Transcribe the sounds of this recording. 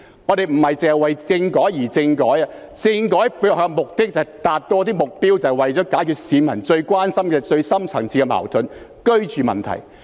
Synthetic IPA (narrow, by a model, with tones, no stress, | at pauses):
ŋɔ˨˧t̪e˨jm̩˨˩hɐ˨jt͡sɪ˨ŋhɐ˨jwɐ˨jt͡sɪ˧ŋkɔː˨˥jjiː˨˩t͡sɪ˧ŋkɔː˨˥jɐ˧ | t͡sɪ˧ŋkɔː˨˥jpːhœː˧ŋmʊ˨k̚t̪ɪ˥k̚t͡sɐ˨˩t̪aː˨t̚t̪ɔː˧t̪iː˥mʊ˨k̚piː˥wt͡sɐ˨˩wwɐ˨˩jt͡sɔː˨˥kaː˨˥jkʰyː˧t̚siː˨˧mɐ˨˩nt͡ʃɵ˧ɥkʷaː˥nsɐ˥mkɛː˧t͡sɵ˧ɥsɐ˥mt͡sʰɐ˨˩ŋt͡sʰiː˧˥kɛ˧ma̰ː˨˩wt̪ʰɵ˨˥n | kɵ˥ɥt͡ʃyː˨mɐ̰˨nt̪ʰɐ̰˨˩j